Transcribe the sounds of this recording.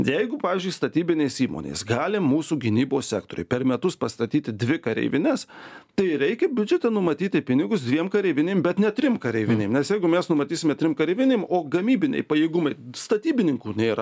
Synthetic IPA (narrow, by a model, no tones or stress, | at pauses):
jɛɪɡʊpɑːʋʲiːzʲd͡ʒʲʊɪst̪ɐt̪ʲiːbʲɪnʲeɪsiːmo̰ːnʲḛːsɡɑːlʲɪmmuːsuːɡʲɪnʲiːboːssʲæːkt̪oːɾʲʊɪpʲɛɾmʲɛt̪ʊspɐst̪ɐt̪ʲiːt̪ʲɪd̪ʲʋʲɪkɐɾʲɛ̰ɪʋʲɪnʲɛst̪ɐɪɾʲɛɪkʲɛbʲʊd͡ʒʲɛt̪ʲɛnʊmɐt̪ʲiːt̪ʲɪpʲɪnʲɪɡʊs̬d̪ʲʋʲiɛmkɐɾʲɛɪʋʲɪnʲeːmbʲɛt̪nʲɛt̪ʲɾʲɪmkɐɾʲɛɪʋʲɪnʲeːmnʲɛsjɛɪɡʊmʲɛsnʊmɐt̪ʲiːsʲɪmʲɛt̪ʲɾʲɪmkɐɾʲɛɪʋʲɪnʲeːmoːɡɐmʲiːbʲɪnʲɛ̰ɪpɐjeːɡʊmɐɪst̪ɐt̪ʲiːbʲɪnʲɪŋkuːnʲeːɾɐ̰